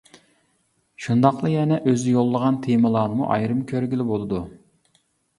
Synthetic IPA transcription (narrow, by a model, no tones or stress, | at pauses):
ʃund̪ɑqlˠɨjɛnɛʔøzɪjolˠːəʁɑnt̪ʰemɨlˠɑːnɨmṵʔɑ̰jɾɨmkʲʰøɾɡʲilɪbolˠɨd̪u